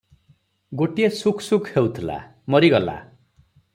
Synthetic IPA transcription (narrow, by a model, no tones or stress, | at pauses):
ɡoʈijesukʰsukʰhewt̪ʰila̰ | mʌɾiɡʌla̰